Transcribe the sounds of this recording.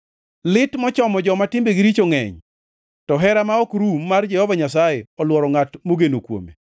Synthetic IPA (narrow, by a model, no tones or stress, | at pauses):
lɪtmɔt͡ʃɔmɔd͡ʒɔmatɪmbeɡiɾit͡ʃoŋɛ̰ɲ | tɔɦɛɾamaɔkɾumːard͡ʒɛhɔvaɲasajeɔlwɔɾɔŋatmoɡenokwo̰mḛ